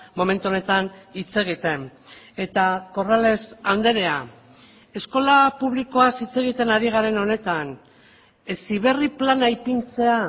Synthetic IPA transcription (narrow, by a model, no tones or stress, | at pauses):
mo̞me̞nt̪uone̞t̪anit͡se̞ɣ̞it̪e̞n | e̞t̪ako̞rale̞sand̪e̞ɾe̞a | e̞sko̞lapuβliko̞asit͡se̞ɣit̪e̞naɾiɣ̞aɾe̞no̞ne̞t̪an | esiβ̞e̞riplanajpint͡se̞a